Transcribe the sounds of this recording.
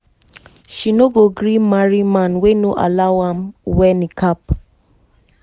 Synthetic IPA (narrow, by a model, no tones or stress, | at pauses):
ʃinoɡoɡɾimaɹimãnwenoʔa̰laʊwãmwɛnĩkap